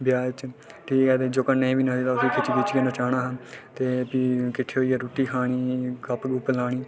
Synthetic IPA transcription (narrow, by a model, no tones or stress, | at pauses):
bjaːt͡ʃʈʰiːkɛːt̪eːd͡ʒoːkənːeĩːbiːnãːd̪iːt̪aːʊsiːkʰɪt͡ʃɡit͡ʃkeːnõːt͡ʃaːɽaːɦãːt̪eːpikɪʈʰːeːɦoːiːaːɾuːʈiːkʰaːɽ̃iːɡəpɡupəlaːɽiː